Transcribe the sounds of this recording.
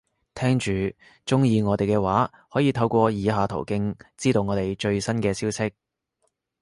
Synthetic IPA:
t̪ʰɛː˥ŋt͡ʃyː˨˩ | t͡ʃʊ˥ŋjiː˨˧ŋɔː˨˧t̪e˨jkɛː˧waː˨˥ | hɔː˨˥jiː˨˧t̪ʰɐ˧wkʷɔː˧jiː˨˧ɦaː˨˧t̪ʰo̰˨˩wkɪ˥ŋt͡siː˥t̪o˨˧wŋɔː˨˧t̪e˨˩jt͡ʃɵ˧ɥsɐ˥nkɛː˧siː˥wsɪ˥k̚

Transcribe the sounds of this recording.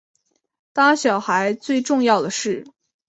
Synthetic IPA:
t̪a˥ɕjɑ˨˩ʊxa˧˥ɪt͡swe˥˧ɪʈ͡ʂʊ˥˧ŋjɑ˥˩ʊd̪ə˩ʂɻ̩˥˩

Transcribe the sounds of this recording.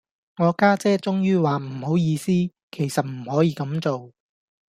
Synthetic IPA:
ŋɔː˨˧kaː˥t͡sɛː˥t͡sʊ˥ŋjyː˥waː˨m̩˨˩ho˨˥wjiː˨˧siː˥ | kʰe˨˩jsɐ˨t̚m̩˨˩hɔː˨˥jiː˨˧kɐ˨˥mt͡so˨w

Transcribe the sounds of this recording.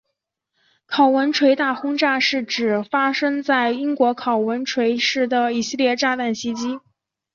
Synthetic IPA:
kʰɑ˨˩ʊwə˧˥nʈ͡ʂʰwe˧˥ɪt̪a˥˩xʊ˥ŋʈ͡ʂa˥˧ʂɻ̩˥˩ʈ͡ʂɻ̩˨˩fa˥ʂɤ˥ŋt͡sa˥˩ɪi˥ŋkwɔ˧˥kʰɑ˨˩ʊwə˧˥nʈ͡ʂʰwe˧˥ɪʂɻ̩˥˩d̪ə˩i˧˥˩ɕi˥˧ljɛ˥˧ʈ͡ʂa˥˧t̪a˥˩nɕi˥t͡ɕi˥

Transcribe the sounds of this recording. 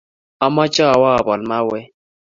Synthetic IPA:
a˨ma˦t͡ʃa˦a˨wa˦a˨bɔ˨lma˦wɛ˦

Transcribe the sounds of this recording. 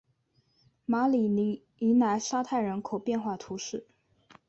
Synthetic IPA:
ma˧˥li˨˩ni˧˥ | i˧˥na˧˥ɪʂa˥t̪ʰa˥˩ɪɻə˧˥nkʰo˨˩ʊpjɛ˥˧nxwa˥˩t̪ʰu˧˥ʂɻ̩˥˩

